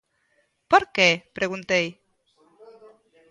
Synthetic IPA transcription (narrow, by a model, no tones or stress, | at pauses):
poɾkepɾeɣunt̪ej